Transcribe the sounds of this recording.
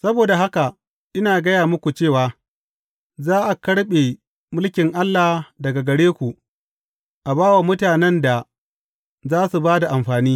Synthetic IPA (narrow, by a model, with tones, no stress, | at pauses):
sɐ˦boː˨da˨ɦa˦ka˨ | ʔɪ˦naː˨ɡɐ˦jaː˨mʊ˦kʷu˨t͡ʃeː˦˨waː˨ | zaː˦ʔa˨kɐ˦ɽɓe˨ | mʊ˦lkʲɪ˨ŋʔa˦lːa˨dɐ˨ɡa˨ɡɐ˨ɽeː˦kʷu˨ | ʔa˨baː˦wa˨mʊ˦taː˨nɛ˦nda˨ | zaː˦su˨baː˦da˨ʔa˨mɸaː˨niː˦